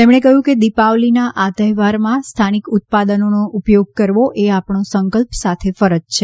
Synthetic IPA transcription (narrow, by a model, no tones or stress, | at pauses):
t̪emɳ̃ekəɦjũked̪ipaʋlinaʔat̪əjʋaɾmãst̪ʰanikʊt̪̚pad̪ənonoʔupjoɡ̚kəɾʋoʔeapɳosəŋkəlpsat̪ʰefəɾəd͡ʒt͡ʃʰe